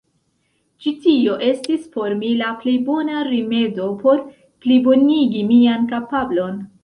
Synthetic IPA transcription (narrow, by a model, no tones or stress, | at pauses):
t͡ʃitio̞ʔe̞stisfo̞ɾmilaple̞jbo̞naɾime̞do̞po̞ɾ | plibo̞niɡimiankapablo̞n